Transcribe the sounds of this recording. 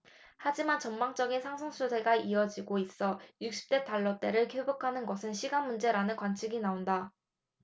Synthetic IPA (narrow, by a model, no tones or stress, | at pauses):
had͡ʑimant͡ɕʌmmaŋt͡ɕ͈ʌɡinsʰaŋsʰoŋsʰude̞ɡaiʌd͡ʑiɡois͈ʌjuk̚ɕ͈i̥p̚t͈e̞taɭːʌt͈e̞ɾɯɭkʰebokʰanɯnɡʌsʰɯnɕʰiɡanmund͡ʑe̞ɾanɯnkwant͡ɕʰiɡinaonda